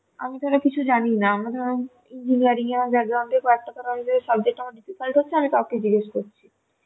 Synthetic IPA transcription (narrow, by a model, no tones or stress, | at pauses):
a̰mit̪oɾakit͡ɕʰud͡ʑaninaamɾad̪ʱa | ind͡ʑiniaɾiŋamad͡ʑɛɡɾaãnd̪ekɔek̚ʈak̪aɾanid͡ʑoesabd͡ʑek̚ʈamaɖififalʈɦotːɕʰeamit̪aoked͡ʑiɡeʃkoɾt͡ɕʰi